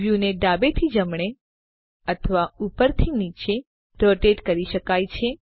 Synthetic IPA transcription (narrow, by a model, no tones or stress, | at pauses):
ʋjuneɖabet̪ʰid͡ʒəmɳ̃e | ət̪ʰəʋaupəɾt̪ʰinit͡ʃe | ɾoʈeʈkəɾiʃəkajt͡ʃʰe